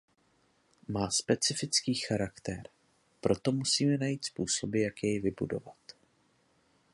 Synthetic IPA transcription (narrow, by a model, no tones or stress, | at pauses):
maːspɛt͡sɪfɪt͡skiːxaɾakt̪ɛɾ | pɾo̞t̪o̞musiːmɛnajiːt̪spuːso̞bɪjakjɛjvɪbudo̞̰vat̪